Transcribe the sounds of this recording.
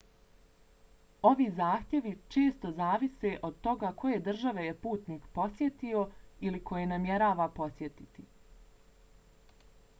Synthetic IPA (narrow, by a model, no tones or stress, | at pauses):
o̞ʋiːzaːxt̪je̞ʋit͡ʃe̞ːst̪o̞zaːʋise̞ʔo̞d̪̚t̪o̞ɡakʰo̞je̞d̪r̩ʒaʋe̞jepuːt̪niːkpo̞sje̞t̪io̞iliko̞jenamje̞ɾaːʋapo̞sje̞t̪it̪i